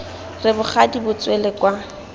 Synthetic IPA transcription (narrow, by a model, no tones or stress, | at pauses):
rɪbʊχʰadibʊt͡swelɛkwa